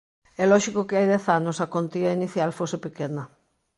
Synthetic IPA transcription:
ɛlɔʃikokeajðɛθanosɐkont̪iɐiniθjalfosepekenɐ

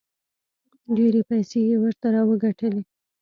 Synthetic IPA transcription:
ɖeɾepajsejewəɾt̪aɾɑwəɡaʈəle

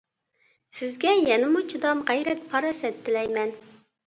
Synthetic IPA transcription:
sɪzɡʲɛjɛnɪmut͡ʃʰid̪ɑmʁæjɾɛt̪̚pʰɑɾɑsɛt̪ʰːɪlɛjmɛn

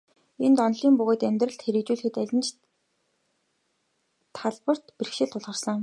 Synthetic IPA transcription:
ent̪ɔnɮiːmpʊɣoːt̪æmʲt̪rə̆ɬt̪xeɾɘ̆kt͡ɕuːɮɘxɘ̆t̪æɮʲɪ̆nt͡ɕ | t̪ʰaɮpə̆r̥t̪per̆xʃɪ̆ɮt̪ʰʊɮʁə̆rsə̆ŋ

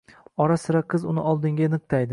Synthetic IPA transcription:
ɒɾasɪɾaqʰɨzʊnɪʔɒlˠd̪ɪŋɡʲanɨq̚t̪ʰajd̪ɪ

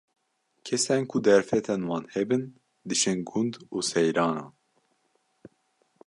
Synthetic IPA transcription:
kʰɛsɛnkʰud̪ɛɾfɛt̪ʰɛnwɑːnhɛbɨn | d̪ɨʃɨnɡund̪uːsɛjɾɑːnɑ̰ːn

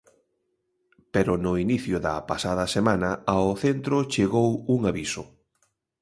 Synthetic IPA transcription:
peɾʊnʊiniθjʊðɐ̰pasaðɐsemãnɐaoθent̪ɾʊt͡ʃeɣowuŋaβisʊ

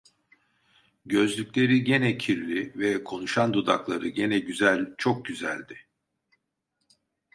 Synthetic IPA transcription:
ɟø̞zlʲycʲlʲe̞ɾiɟe̞nɛcʰiɾlʲivɛkʰo̞nuʃand̪ud̪a̰klˠaɾɯɟe̞nɛɟyzælʲt͡ʃʰo̞k̚ɟyzæ̰lʲd̪ɪ

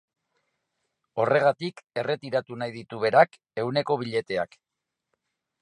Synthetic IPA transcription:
o̞re̞ɣ̞at̪ike̞re̞t̪iɾat̪unajðit̪uβ̞e̞ɾak | e̞wne̞ko̞β̞iʎe̞t̪e̞a̰k

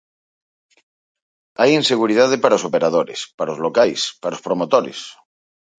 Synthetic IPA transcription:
ajinseɣ̞uɾiðað̞epaɾaosopeɾað̞oɾḛspaɾaozlokajspaɾospɾomot̪oɾḛs

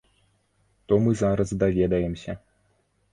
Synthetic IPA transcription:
t̪ɔmɨzaɾɐzd̪avʲɛd̪ɐjɛmsʲɐ

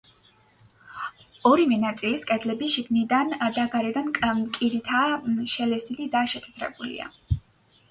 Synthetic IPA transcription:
ɔɾivɛnat̪sʼiliskʼɛd̪lɛbiʃiɡnid̪and̪aɡaɾɛd̪anʼkʼiɾit̪ʰaʃɛlɛsilid̪aʃɛt̪ʰɛ̥t̪ʰɾɛ̰bulḭa̰

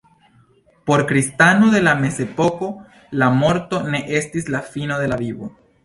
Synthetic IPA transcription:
po̞ɾkɾist̪anoðe̞lame̞se̞poko̞ | lamo̞ɾt̪o̞ne̞ʔe̞stislafinoðe̞lavibo̰

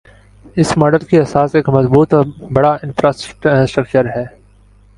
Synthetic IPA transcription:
ɪsmaːɖəlkiɦɐsaːseːkmɐzbuːt̪ɔbɐɽaɪ̃nfɾaːsʈk̚ʈsʈɾəkt͡ʃəɾɦɛː

